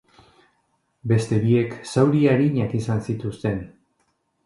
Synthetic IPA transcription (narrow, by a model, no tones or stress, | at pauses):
be̞st̪e̞βie̞ksawɾiaɾiɲakisansit̪ust̪e̞n